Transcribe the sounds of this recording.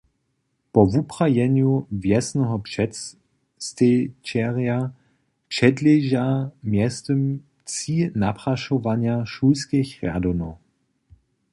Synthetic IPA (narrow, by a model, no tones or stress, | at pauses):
pɔvupʁajɛnjuvjɛsnɔɦɔpʂɛt | st̪et͡ʃɛʁja | pʃɛdlɛʒamjɛst̪əm | t͡sinapʁaʃɔvanjaʃulskɪxʁja̰dɔnɔw